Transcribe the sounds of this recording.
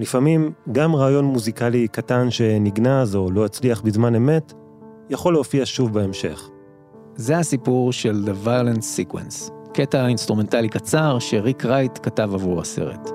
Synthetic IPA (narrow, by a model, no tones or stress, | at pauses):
lifamimɡamʁaːjo̞nmuzikalikatanʃe̞niɡnazo̞lo̞at͡sliaχbizmane̞me̞t | jaχo̞leofiaʃuvbeemʃe̞̰χ | zeasipuʁʃe̞ld̪evajolensikwḛnske̞taainst̪ʁume̞ntalikat͡saʁʃe̞ʁikʁajtkatavavuʁa̰se̞̰ʁḛt